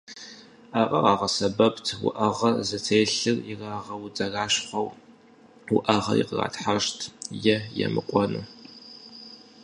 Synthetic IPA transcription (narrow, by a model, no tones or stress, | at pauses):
aqʼɐʁɑːʁɐsɐbɐptʰwʊ̰ʔɐʁɐzɐt͡sʰeːɬɨriraːʁɐwd͡zɐraːɕχʷɐw | wʊʔɐʁɐ̰jḭqəra̰ːtħaʃtʰjɛjɛ̰mɨqʷʼɔnɨ̰